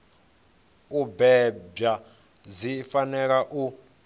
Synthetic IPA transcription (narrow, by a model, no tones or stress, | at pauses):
ubɛba | zifanɛk̬aʔu